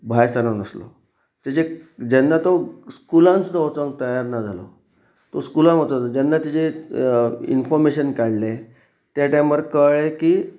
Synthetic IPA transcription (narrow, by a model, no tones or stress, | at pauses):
bʱajst̪ʰananəslo̰ | d͡ʑet͡ɕed͡ʑɛnːat̪oskulãnt͡st̪ot͡sə̃ŋɡ̚t̪əjaɾnad͡zʱalo̰ | t̪oskulãmot͡sad͡ʑɛnːat̪it͡ɕe | ḭnfɔɾmeɕənkaɽle | t̪jaʈãməɾkəɭeki